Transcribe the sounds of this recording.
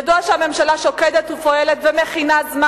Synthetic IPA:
duaʃeame̞mʃalaʃokedet̪ufoelet̪vemeχinazma

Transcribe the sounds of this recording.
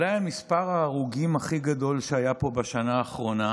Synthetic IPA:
lajamispaʁaːʁuɡimaχiɡad̪o̞lʃeajapo̞baʃanaːχʁo̞na

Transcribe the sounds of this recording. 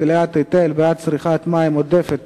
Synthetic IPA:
leat̪ːit̪elbeat̪̚t͡sʁiχat̪maimod̪efet̪

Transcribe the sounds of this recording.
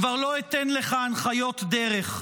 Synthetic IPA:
vaʁlo̞et̪enleχaːnχajo̞t̪d̪eʁeχ

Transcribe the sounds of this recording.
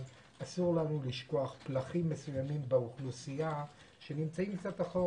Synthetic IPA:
asuʁlanuliʃko̞aχplaχimːesujamimbeuχlusia | ʃe̞nimt͡saimkt͡sat̪aχo

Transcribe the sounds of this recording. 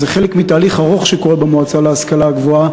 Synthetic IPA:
zeχe̞lekmitaːliχaʁo̞χʃeko̞ʁebemoat͡saleaskalaɡvo̞a

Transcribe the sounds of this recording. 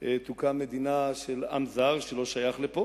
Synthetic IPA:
et̪ukame̞d̪inaʃela̰mzaʁʃelo̞ʃajaχlepo

